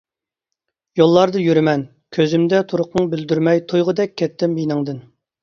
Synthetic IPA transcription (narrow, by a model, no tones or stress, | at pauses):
jolˠːɑɾd̪ɨjyɾɪmɛn | kʲʰøzymd̪ɛt̪ʰuɾʊqnɨŋbɪld̪yɾmɛjt̪ʰojʁəd̪ɛkʲʰːɛt̪ʰːɪmjinɪŋd̪ɨn